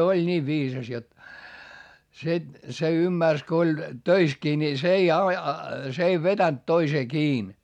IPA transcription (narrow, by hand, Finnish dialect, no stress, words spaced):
olʲ nʲiːʋ ʋiːsɑs jot se se ymːærs ko olʲ tøiskiː ni s ei ɑ s ei ʋetænt toiseː kiːn